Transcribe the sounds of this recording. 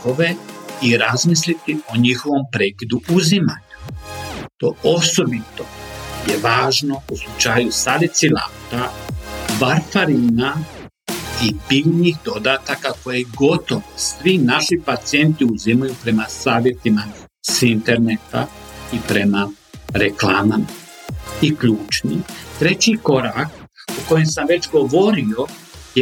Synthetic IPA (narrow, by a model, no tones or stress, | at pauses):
oʋe̞iɾazmislit̪io̞ɲixo̞ʋo̞mpɾe̞ːkid̪uuzimaɲa | t̪o̞o̞so̞bit̪o̞je̞ʋaːʒno̞uslˠut͡ʃajusalit̪sila̰ːt̪a | ʋaɾfaɾiːna | ipiʎɲixd̪o̞d̪aːt̪akako̞jeɡo̞t̪o̞ʋosʋinaʃipat̪sije̞nt̪iuzimajupɾe̞masaːʋje̞t̪ima | sint̪e̞ɾnet̪a̰ | ipɾe̞ma | ɾe̞klaːmama | ikʎuːt͡ʃnḭt̪ɾe̞t͡ɕiko̞ɾaːk̚ | uko̞jemsamʋe̞t͡ɕɡo̞ʋo̞ɾio̞ | je